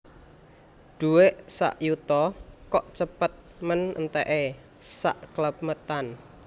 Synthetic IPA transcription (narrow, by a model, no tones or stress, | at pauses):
d̪̥ṳweʔsa̰ʔjut̪ɔkɔʔt͡ʃəpət̪̚mənʔə̰nt̪eʔe | sa̰ʔkləp̚mət̪an